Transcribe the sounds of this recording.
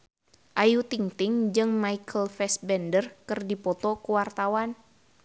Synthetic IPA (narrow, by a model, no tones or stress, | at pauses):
ʔajut̪iŋt̪ɪŋd͡ʒɨŋmaikʰəlfɛsbɛndərkɨrdipɔt̪ɔkuwart̪awan